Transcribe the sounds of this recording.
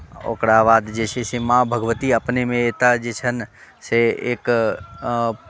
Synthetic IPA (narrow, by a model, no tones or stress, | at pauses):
o̰ːkɽaʋaːd̪d͡ʒeːt͡ʃʰesemãːbʱəɡʋət̪iəpnemẽeːt̪ad͡ʒeːt͡ʃʰən | seḛːk